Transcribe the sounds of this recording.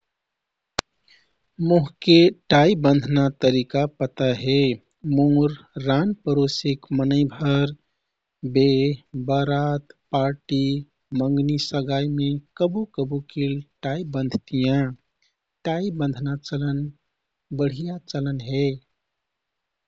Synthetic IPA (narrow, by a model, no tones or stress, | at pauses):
moɦkeʈaibə̃nd̪ʱnat̪əɾikapət̪aɦe | moɾː | anpəɾosikmənəɪbʱəɾ | bebəɾat̪paɾʈi | məŋɡnisəɡajmekəbukəbukilʈaibə̃nd̪ʱt̪ijã | ʈaibə̃nd̪ʱnat͡ʃələn | bəɽ̤ijat͡ʃələnɦe